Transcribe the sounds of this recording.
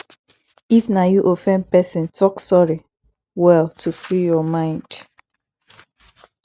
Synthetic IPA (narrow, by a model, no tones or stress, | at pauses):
ifnajuʔofɛ̃npɛsĩntʰɔksɔɹi | wɛltʰufɹijɔmãɪ̃nd̥